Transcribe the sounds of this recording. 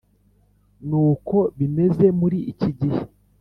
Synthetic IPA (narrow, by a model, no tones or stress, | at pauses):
nuːko̞βime̞ze̞muɾiiciɟihe